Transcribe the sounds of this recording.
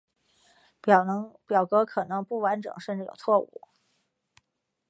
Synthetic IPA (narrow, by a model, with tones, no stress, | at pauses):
pjɑ˨˩ʊkɤ˧˥kʰɤ˨˩nɤ˧˥ŋpu˥˩wa˧˥nʈ͡ʂɤ̰˨˩˦ŋʂə˥˧nʈ͡ʂɻ̩˥˩jo̰˨˩ʊt͡sʰwɔ˥˩ṵ˥˩˦